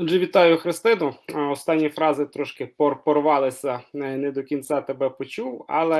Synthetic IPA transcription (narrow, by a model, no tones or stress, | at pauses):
ɔʒɛʋʲit̪ɑjʊxɾɪst̪ɪnʊɔst̪ɑnʲːifɾɑzɪt̪ɾɔʃkɪpɔrpɔrʋɑlˠɪsʲɐnɛd̪ɔkʲint̪t͡s̪ʲɑt̪ebɛpɔt͡ʃuwɑ̰lˠɛ